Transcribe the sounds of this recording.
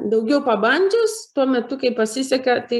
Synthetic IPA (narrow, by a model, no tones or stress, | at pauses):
d̪ɐʊɡʲɛʊpɐbɐnʲd͡ʒʲʊst̪uɔmʲɛt̪ʊkɐɪpɐsʲɪsʲɛkʲɐt̪ɐɪ